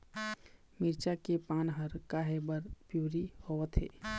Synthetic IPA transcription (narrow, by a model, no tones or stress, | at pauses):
miɾt͡ʃakepaːnɦəɾkaɦebəɾpjuːɾihoət̪ɦḛː